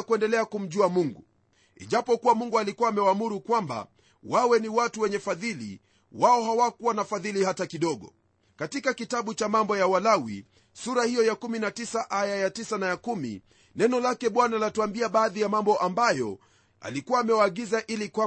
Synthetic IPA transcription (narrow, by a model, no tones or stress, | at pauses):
kuɛndɛlɛakum̩ʄuamuŋɡu | ḭʄapɔkuwamuŋɡualikuwaːmɛwaːmuɾukwamba̰ | wawɛniwatuwɛɲɛfaðilḭ | waɔɦawakuwanafaðilihatakiɗɔɠɔ̰ | katikakitaɓut͡ʃamambɔjawalawḭ | suɾahijɔjakuminatisaʔajajatisanajakumḭ | nɛnɔlakɛɓwanalatuambiaɓaːðijamambɔʔambajɔ̰ | a̰likuwaːmɛwaːɠizaʔilikwa